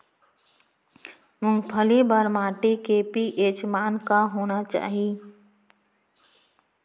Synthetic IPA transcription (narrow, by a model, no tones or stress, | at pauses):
mʊ̃pʰəlibəɾmaːʈikeːpiʔeːt͡ʃmaːnkaɦoːnat͡ʃa̰ːɦii